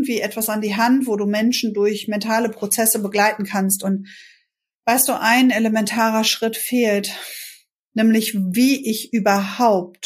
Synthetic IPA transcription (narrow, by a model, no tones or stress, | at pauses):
tv̥iːʔɛtv̥asandiːɦantv̥oːduːmɛnʃn̩dʊɐçmɛntʰaːləpʁ̥ot͡sɛsəbəɡlaɪtn̩kʰanstʊnt | vaɪst̚d̥uːʔaɪneləmɛntʰaːʁɐʃʁ̥ɪtfeːlt | nɛːmlɪçviːʔɪçʔyːbɐhaʊp̚t